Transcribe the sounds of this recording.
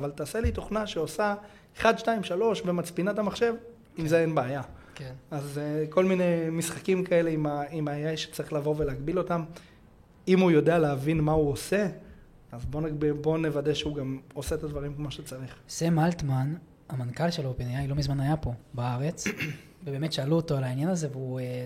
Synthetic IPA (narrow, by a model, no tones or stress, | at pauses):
avalt̪aːse̞lit̪o̞χnaʃeosa | eχad̪ʃtaimʃalo̞ʃbe̞mat͡spinatamaχʃe̞v | imzeenbaːjakenazko̞lmine̞misχakimkae̞le̞imaimajajʃe̥t͡saʁiχlavo̞ve̞leːɡbilo̞tam | imujo̞dealeavinmauose̞ | azbo̞naɡbibo̞nevadeʃeuɡamoset̪ad̪vaʁimkmo̞ʃet͡saʁiχsemalt̪man | amankalʃeloopenjajlo̞mizmanajapo̞baaʁe̞t͡s | vebe̞ːmetʃealuotolainjanaze̞veue